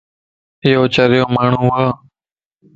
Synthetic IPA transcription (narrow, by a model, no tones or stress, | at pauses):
ɦɪjoːt͡ʃəɾɪjoːmaːɳ̤ũːʊaː